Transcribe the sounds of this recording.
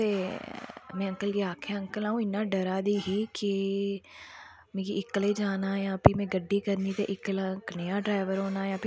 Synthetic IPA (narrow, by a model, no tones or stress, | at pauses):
e | mɛ̃ə̃ŋkəlkeaːkʰeə̃ŋkəlãːɦũɪnaɖəɾaːd̪iɦikɪ | mẽːkiɪkled͡ʒaːnajãpʰimẽɡəɖːikəɾnit̪eʔɪklaknɐjaɖɾaːɪʋəɾɦoːnajãːpʰɪ